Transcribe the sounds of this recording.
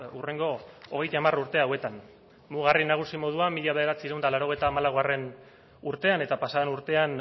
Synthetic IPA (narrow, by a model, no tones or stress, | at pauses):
ure̞ŋɡo̞oɣ̞e̞jt̪aːmaruɾt̪e̞awe̞t̪an | muɣ̞arinaɣ̞usimo̞ð̞uamːiʎaβeðeɾat͡siɾeund̪alaɾo̞ɣe̞jt̪aːmalaɣare̞n | uɾt̪e̞ane̞t̪apasaenuɾt̪e̞an